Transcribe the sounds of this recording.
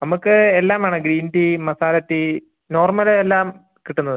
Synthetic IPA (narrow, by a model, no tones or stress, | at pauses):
nɐmukːɨelːaːmaːɳɨɡɾiːndimɐsaːlɐt̪ːi | no̞ːrmɐlelːaːm | kiʈːunːɐðɨ